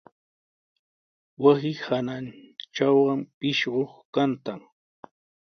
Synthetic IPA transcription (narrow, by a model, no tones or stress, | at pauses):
wasɪhanant͡ʃawɢɑmpɪʃɢoχkant̪aŋ